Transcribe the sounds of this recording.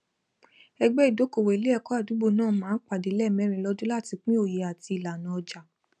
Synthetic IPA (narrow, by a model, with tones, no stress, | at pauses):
ɛ˧ɡ͡bɛ˦i˨do˨˦ko˨we˨i˨le˨˦ɛ˦˧kɔ˦a˦˨du˨˦bo˧˨nãː˦˨˦mãː˨˦k͡pa˨de˨˦lɛ˦˨mɛ̃˨˦ɾ̃ĩ˧lɔ˧dũ˦la˦˨ti˧k͡pĩ˦o˦˨je˨˦a˨ti˧i˨la˨nã˨ɔ˧d͡ʒa˨